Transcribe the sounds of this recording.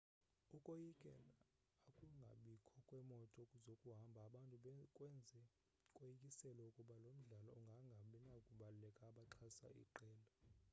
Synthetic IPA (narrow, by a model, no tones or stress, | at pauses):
ukʼojikʼɛla | akʼuŋɡʱa̰ɓikʰɔkʼwɛmɔtʼɔzokʼuɦambʱaːɓantʼuɓkʼwɛnd͡zʱɛ | kʼojikʼisɛlɔukʼuɓalom̩ɮalɔɔŋɡʱaŋɡʱaɓɛnakʼuɓalulɛkʼaːɓaǃʰasa̰ʔḭǃɛːla